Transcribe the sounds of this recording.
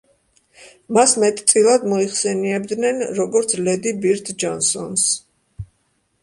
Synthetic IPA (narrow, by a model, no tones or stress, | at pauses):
masmɛt̪ʼt̪sʼilˠad̪mɔiχsɛniɛb̚d̪nɛnɾɔɡɔɾt̪sʰlɛd̪ibiɾt̪ʰd͡ʒɔnsɔns